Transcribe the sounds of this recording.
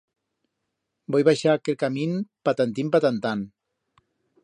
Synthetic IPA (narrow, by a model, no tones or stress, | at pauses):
bɔjβaʃakelkaminpat̪ant̪impat̪ant̪an